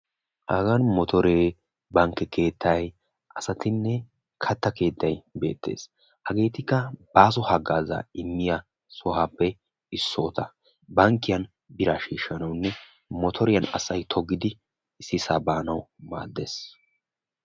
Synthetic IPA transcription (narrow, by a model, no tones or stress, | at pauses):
ʔɐɡɐnmɔt̪ʰɔɾeː | bɐŋkːɛkʰe̞ːt̪ʰːɐj | ʔɐsɐt̪ɪnːɛ | kʰɐt̪ːɐke̞ːt̪ːɐjbe̞̰ːt̪ʰːeːs | hɐɡe̞ːt̪ɪkːɐbaːs̬ɔhɐɡaːza̰ɪmːɪja | sɔhaːpːɛ | ɪsːoːt̪ɐ | bɐŋkːɪjɐn | bɪɾaʃiːʃːɐnɐwnːɛ | mɔt̪ʰɔɾɪjɐnɐ̰sɐjt̪ʰɔɡːɪd̪ɪ | ɪsːɪsaːbaːnɐwma̰ːd̪ːeːs